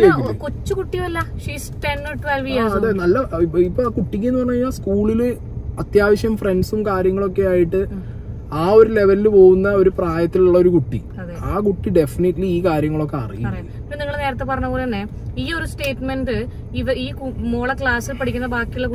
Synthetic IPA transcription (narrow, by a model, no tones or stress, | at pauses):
seikut͡ɕːukuʈːijɐmɐlːɐʂiːsʈenoʈːʋɐlʋiaːɐðenɐlːɐipːoːkuʈːik̬ʲːuenːupɐrɐnɐɐːɲːaːlskuːɭilɨ | ɐt̪jaːʋɐɕjɐmfre̞nɖsumkaːɾjɐŋːɐɭo̞kːe̞aːjiʈːɨ | aːo̞ɾule̞ʋɐlilɨpo̞ːwunːɐo̞ɾupraːjɐt̪ːiluɭːɐo̞ɾukuʈːḭ | ɐ | aːkuʈːiɖe̞finiʈːliiːkaːɾjɐŋːɐɭo̞kːe̞ɐ̰rḭjikː | ipːoniŋːɐɭneːɾɐt̪ːe̞pɐrɐɲːɐporeɐnːe | iːo̞ɾusʈe̞ːʈmenɖɨ | iʋɐiːkmoːɭɐkɭaːsilpɐɽikʲːunːɐbaːkːijuɭːeku